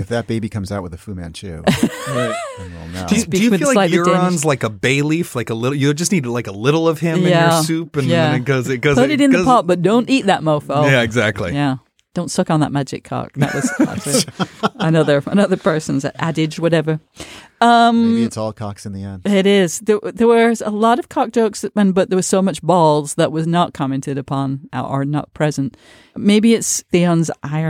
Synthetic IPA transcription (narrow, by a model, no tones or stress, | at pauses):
ɨfðɨt̚b̥eɪbikʰʌ̃mzaʊʔ̚wəðɨfʉmæ̰̃nt͡ʃʰʉʊaɪõ̰na̰d̥ɨɨsb̥iɨwillaɪlaɪə˞dɪ̃nnzlaɪkəbeɪliflaɪkəlɪɾl̩ˠjɨd͡ʒʌsniɾɨdˡlaɪkəlɪɾl̩ˠʌv̥ɪ̃mjɨnæjəsʉpɨ̃njæ̃kʌzɨɡ̥ʌzoniɾɨ̃nðəpʰɑt̚b̥ʌt̚d̥õʊ̃ntit̪̚ðɨt̚moʊfoʊjæɨɡzæk̚tʰˡlḭjæ | d̥õʊ̃ntsʌkn̩ðə̰t̚mæd͡ʒɨ̰kʰɑ̰knə̰ʔʌsɑ̰ɪɨnʌðə˞ə̰nʌðə˞pʰɜ˞sɨ̃n̩zæ̰ɾɪd͡ʒwʌɾɛvə˞ | ʌ̃miɨtsɔlˠkʰɑ̰ksɨ̃n̩ðiɛ̃nɪɾɪz̥ðəðə˞wə˞əlɔɾʌv̥kʰɑk̚d̥oʊksɨ̃nbʌt̪̚ðə˞wəz̥soʊmʌt͡ʃbɔlˠzðəʔ̚wʌznət̚kʰɑmɛ̃ntɨɾɨpʰɑ̃na̰ʔə̰˞nə̰t̚pʰɹ̥ɛzɨ̃nt | meɪbiɨtsðiʌ̃nzʔaɪə